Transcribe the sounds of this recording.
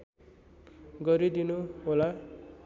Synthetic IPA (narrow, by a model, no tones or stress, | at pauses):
ɡʌɾid̪inuɦola